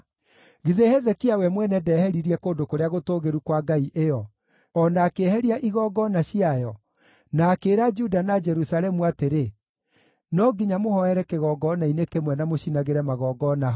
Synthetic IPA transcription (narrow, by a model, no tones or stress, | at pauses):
ɣiðehɛðɛkiawɛmwɛnɛdɛːhɛɾiɾiɛkoːndokoɾeaɣotoːɣeɾukwaɡaiʔejɔ | ɔnaːkehɛɾiaʔiɣɔɡɔnaɕiajɔ | naːkeːɾad͡ʒudanad͡ʒɛɾusalɛmuateɾe | nɔɡiɲamohɔɛɾɛkeɣɔːɡɔnainekemwɛnamoɕinaɣeɾɛmaɣɔːɡɔna